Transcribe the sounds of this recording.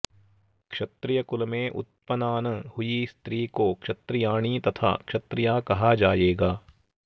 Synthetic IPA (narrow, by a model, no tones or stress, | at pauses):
kʃɐt̪ɾɪjəkʊlmẽʔʊ̰t̪̚pənaːnəhʊist̪ɾiːkokʃɐt̪ɾɪjaːɽ̃it̪ɐt̪ʰa̰ːkʃɐt̪ɾɪjaːkɐɦad͡ʒaːeːɡaː